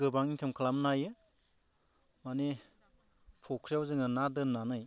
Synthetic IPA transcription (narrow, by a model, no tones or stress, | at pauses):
ɡɯbaŋikʰemkʰalamnajɯ | mani | pʰɔkʰɾijawzɯŋɯnadɯnanɯj